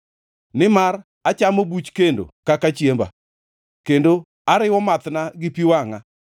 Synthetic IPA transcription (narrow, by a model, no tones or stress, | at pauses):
nɪmaɾ | at͡ʃamobut͡ʃkendo̰kakat͡ʃjemba̰ | kendo | aɾɪwɔmat̪naɡɪpiwaŋa